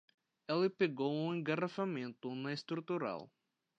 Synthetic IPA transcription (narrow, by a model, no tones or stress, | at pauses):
ɛlɪpeɡowũẽɡarafamẽnt̪ʊnɐest̪ɾut̪uɾa̰w